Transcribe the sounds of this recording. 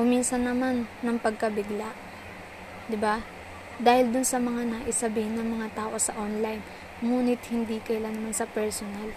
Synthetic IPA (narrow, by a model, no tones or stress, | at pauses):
kʊmːinsɐnːɐmanːɐŋpɐɡ̚kɐbɪɡlaʔ | d̪ɪba | d̪aːhɪld̪ʊnsɐmɐŋanaʔɪsɐbiːhɪnːɐŋmɐŋat̪aːʔo̞sɐʔonlajn | ŋuːnɪt̪̚hɪnd̪iːkɐjlanɐmansɐpɛɹsonal